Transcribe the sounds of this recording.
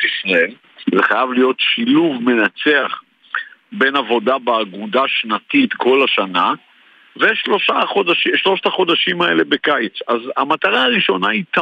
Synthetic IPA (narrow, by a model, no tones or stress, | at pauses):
isʁael | zeχajavlijo̞t̪ʃiluvme̞nat͡se̞aχ | be̞navo̞dabeaɡud̪aʃnat̪it̪kʰo̞laʃana | veʃlo̞ʃaχo̞d̪aʃiʃlo̞ʃtaχo̞d̪aʃimaele̞be̞kajt͡saza̰mat̪aʁaaʁiʃo̞nait̪a